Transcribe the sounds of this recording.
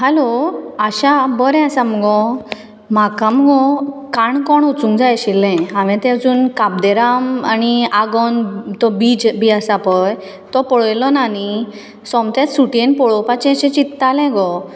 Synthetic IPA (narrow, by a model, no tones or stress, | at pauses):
ɦaloaɕabɔɾɛ̃asamɔɡɔ̃ | makãmɡɔkaɳkɔɳut͡sũŋɡd͡zajɕilːɛ̃ãʋɛ̃t̪ɛ̃d͡zuːnkab̚d̪ɛɾamaniaɡɔnt̪ɔbid͡ʑbiasapɔj | t̪ɔpɔɭɔjlɔnani | sɔmt̪ɛ̃t͡ssuʈiẽnpɔɭɔpat͡ɕɛ̃ɕɛ̃t͡ɕit̪ːalɛ̃ɡɔ